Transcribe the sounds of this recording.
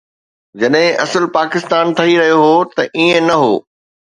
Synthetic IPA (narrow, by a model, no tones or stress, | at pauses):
d͡ʑɐɗɦɪ̃ʔɐsəlpaːkɪst̪aːnt̪ʰɐiɾɐɦijoɦoːt̪ɐʔiẽnɐɦo̰ː